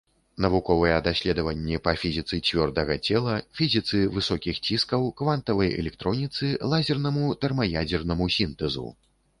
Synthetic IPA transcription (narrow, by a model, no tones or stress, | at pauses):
nɐvukɔvɐjɛd̪asʲlʲɛd̪ɐvɐnʲːɛpɐfʲizʲit̪sɨt͡sʲvʲɔrd̪ɐɣɐt͡sʲɛlˠɐfʲizʲit̪sɨvɨsɔkʲixt͡sʲiskɐwkvant̪ɐvɐjɛ̰lʲɛkt̪ɾɔnʲit̪sɨlˠazʲɛrnɐmut̪ɛrmɐjad͡zʲɛrnɐmusʲint̪ɛzṵ